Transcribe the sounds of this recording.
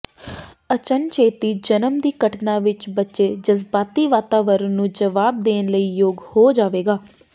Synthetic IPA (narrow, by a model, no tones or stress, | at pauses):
ət͡ʃənt͡ʃʰeːt̪iːd͡ʒənəmd̪iːkəʈnaːʋɪt͡ʃbətːʃeːd͡ʒəzbaːt̪iːʋaːt̪aːʋəɾnũːd͡ʒəʋaːb̚d̪eːnləiːjoːɡhoːd͡ʒaːʋeːɡaː